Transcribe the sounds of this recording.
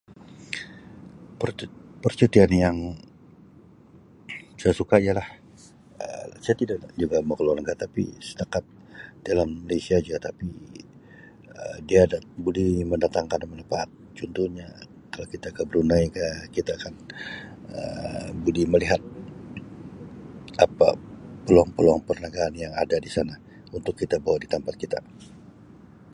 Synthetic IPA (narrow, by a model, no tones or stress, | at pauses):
pərpərt͡ʃut̪ianjaŋ | sajasukaijalah | ə̰sajat̪idak̚d͡ʒuɡaməkəluankaʔt̪apḭsə̥t̪akat̪̚ | d̥alanmalesiad͡ʒuat̪api | ədiadabuliməndat̪aŋkanmənəpaːt̪̚t͡ʃunt̪uhɲa | kalokit̪aːkabəɾunaikakit̪aːkan | ə̰buliməliɦat̪̚ | apa̰pəluaŋpəluaŋpərnaɡaɦanjaŋa̰dadisana | unt̪ʊkːit̪abawadit̪ampat̪̚kit̪a̰